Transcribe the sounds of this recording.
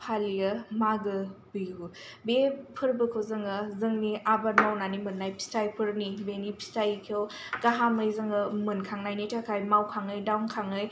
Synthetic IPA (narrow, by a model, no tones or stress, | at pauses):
pʰalijɐmaɡɯbiju | bepʰɯɾbɯkʰɯwzɯŋɯzɯŋniʔabaɾmawnanimɯnːajpʰi̥stajpʰɯɾnibenipʰi̥stajkʰewkaɦamɯjzɯŋɯmɯnkʰaŋnajnitʰakʰajmawkʰaŋɯjdawnkʰaŋɯj